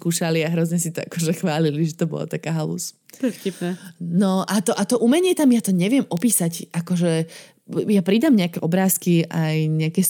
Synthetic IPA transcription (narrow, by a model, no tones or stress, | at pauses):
kuːʃaliaɦɾɔzɲɛsit̪ɔa̰kɔʒɛxʋaːliliʒɛt̪ɔbɔ̰l̰t̪akaːɦalṵs | pfcipnɛnɔʔat̪ɔʔat̪ɔʔumɛɲɪɛt̪amjat̪ɔɲɛʋɪɛmʔɔpiːsaɟʔakɔʒɛ | japɾid̪amɲɛakɛʔɔbɾaːskiʔajɲɛakɛs